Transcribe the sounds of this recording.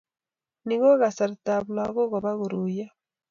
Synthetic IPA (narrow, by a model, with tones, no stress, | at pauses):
ni˦ɣɔ˦ɣa˨sa˨ɾta˨βla˨ɣo˦ɣɔ˨βa˦ɣu˨ɾu˨ja˦